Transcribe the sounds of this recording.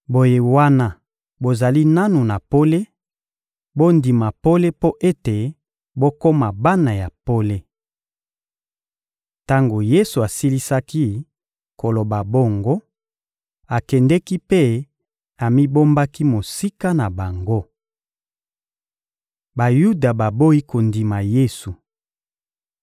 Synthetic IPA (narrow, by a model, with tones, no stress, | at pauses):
bo˨je˦wa˦na˦ | bo˨za˨li˦na˦nu˨na˨po˦le˦ | bo˦ndi˨ma˨po˦le˦po˦ʔe˦te˨ | bo˦ko˦ma˨ba˦na˨ja˨po˦le˦ | ta˦ŋɡo˨je˦su˨a˨si˦li˦sa˦ki˦ | ko˨lo˨ba˨bo˦ŋɡo˦ | a˨kɛ˨ndɛ˦ki˦pe˦ | a˨mi˦bo˦mba˦ki˦mo˨si˦ka˦na˨ba˨ŋɡo˦ | ba˨ju˦da˨ba˨bo˦i˦ko˨ndi˨ma˨je˦su˨